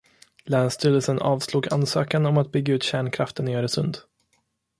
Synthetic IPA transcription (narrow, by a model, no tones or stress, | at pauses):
lɛːnst̪ʰy̟ːd̪əlsənʔɑːvsluːɡa̰nsøːkanɔmat̪̚bʏɡːaʉ̟ːt̪ɕæːɳkʰɾaft̪ənjœːɾəsɵnd̪